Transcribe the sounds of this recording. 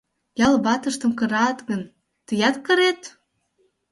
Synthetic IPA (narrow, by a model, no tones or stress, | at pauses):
jɑlbɑt̪əʃt̪ə̆mkɤ̆ɾɑt̪ɣən | t̪əjɑt̪kəɾet̪